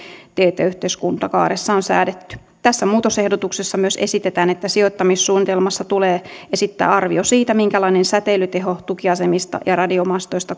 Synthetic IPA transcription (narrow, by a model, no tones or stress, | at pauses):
t̪eːt̪ˑæyht̪eiskunt̪ɑkɑ̰ːɾesːɑonsæ̰ːdet̪ːy̥ | t̪æsːæmuːt̪ose̞hdot̪uksesːɑmyøse̞sit̪et̪æːnet̪ːæsiot̪ːɑmisːuːnit̪elmɑsːɑt̪uleːesit̪ːæ̰ːɑrʋiosiːt̪æmiŋkælɑinensæt̪elyt̪eɦot̪ukiɑsemist̪ɑ̰jɑrɑdiomɑst̪oist̪ɑ